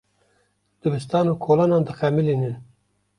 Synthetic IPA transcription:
d̪̥ɨbɨst̪ɑːnukʰoːlɑːnɑːnd̪ɨxæmiliːnɨn

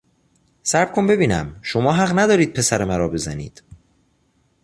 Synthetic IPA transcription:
sæɾb̥kʰombe̞biːnæ̰mʃo̞mɒːɦæɣnæd̪ɒːɾiːd̪̚pʰe̞sæɾemæɾɒːbe̞zænḭːd̪̥

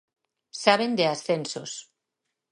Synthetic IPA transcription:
saβend̪easθensos

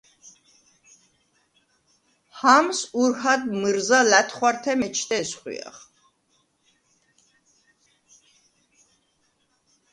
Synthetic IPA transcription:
hamsuɾhad̪mɨɾzalæt̪ʰχwaɾt̪ʰɛmɛt͡ʃʰt̪ʼɛsχwḭa̰χ

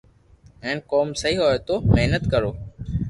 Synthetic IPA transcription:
ẽːnkoːmsəɦiːɦoːet̪oːmeɦnət̪kəɾoː

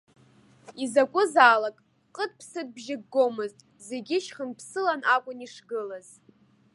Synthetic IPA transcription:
izakʷʼʊzaːlakʼ | qʼət̚ʼpʰsɨd̚ʼbʒɪɡɡːo̞mɨztʼ | ze̞ɡʲɪʃχənpʰsɨlanakʷʼʊniʂɡɨlaz̥

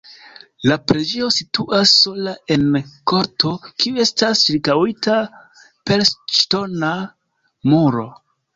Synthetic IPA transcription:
lapɾe̞d͡ʒe̞o̞situʔasːo̞lae̞nko̞ɾtʰo̞kioe̞stasɾikawita | pe̞ɾst͡ʃto̞na | muɾo̞̰

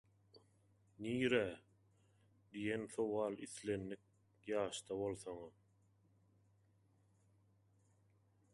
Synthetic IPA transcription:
niːɾæ | d̪ijenθowɑːlˠiθle̞nːik̚ | jɑːʃt̪ɑβo̞lˠθoŋɑ

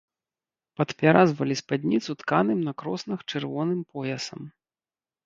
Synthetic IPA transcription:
pɐt̪pʲaɾʔazvɐlʲispad̪ʲnʲit̪sut̪kanɨmnɐkɾɔsnɐxt͡ʂɨrvɔnɨmpɔjɐsɐm

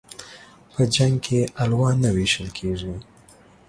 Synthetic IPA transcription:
pəd͡ʒaŋɡkʰeʔalwɑnaweʃəlkʰeʐi

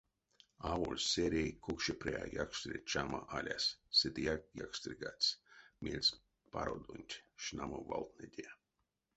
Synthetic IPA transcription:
aːvolʲsʲeɾʲejkʰukʃepɾɛja̰ːjakst̪ɾʲit͡ʃamaʔalʲasːed̪ijakjakst̪ɾʲiɡat̪ʲsʲmʲilʲsʲ | paɾod̪unʲt̪ʲʃnamovalˠt̪̚ned̪ʲe

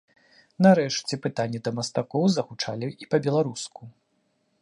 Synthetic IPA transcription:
nɐɾɛʂt͡sʲɛpɨt̪anʲːɛd̪ɐmɐst̪akɔwzɐxut͡ʂalʲiipɐbʲɛlˠaɾusku

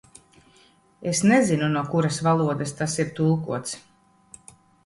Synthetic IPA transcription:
esnɛzinunuɔkuɾasvalˠuɔd̪ɛst̪asiɾt̪ulˠkuɔt̪s

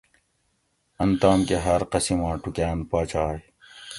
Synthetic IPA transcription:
ɐnt̪aːmkeɦɐɾqɐsimãːʈukaːnpaːt͡ɕaːj

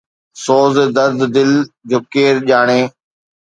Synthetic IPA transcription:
soːzd̪əɾd̪d̪ɪld͡ʒoːkeːɾʄaːɳeː

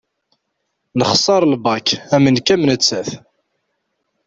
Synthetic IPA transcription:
nəχsˤɑɾˤlbɑkæmənkæmnət͡sːæθ

